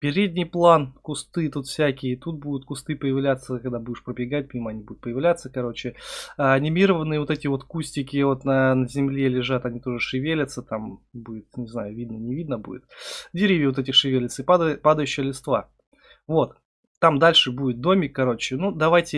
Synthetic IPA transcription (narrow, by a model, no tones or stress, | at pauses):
pʲɪɾʲedʲnʲɪjplˠankʊst̪ɨt̪ut̪fsʲækʲɪjət̪ut̪̚bud̪ʊt̪̚kʊst̪ɨpəjɪvlʲat̪sːəkɐɡd̪abudʲɪʂpɾəbʲɪɡat̚ʲmʲiməɐnʲibud̪ʊt̪pəjɪvlʲat̪səkɐɾo̞t͡ɕɪɐnʲɪmʲiɾəvənɨjəvo̞t̪ɛtʲɪvo̞t̪kusʲtʲɪkʲɪvo̞t̪nənəzʲɪmlʲelʲɪʐat̪ɐnʲit̪o̞ʐɨʂɨvʲelʲɪt̪sət̪ambudʲɪt̪nʲɪzna̰jʊvʲid̪nənʲɪvʲid̪nəbṵdʲɪ̰t̪dʲɪɾʲivʲjɪot̪ɛtʲɪʂɨvʲelʲɪt̪sɪpad̪əpad̪əjʉɕːɪjəlʲɪst̪va̰ | vo̞t̪ː | amd̪alʲʂɨbudʲɪt̪̚d̪o̞mʲɪkːɐɾo̞t͡ɕɪnud̪ɐvajtʲɪ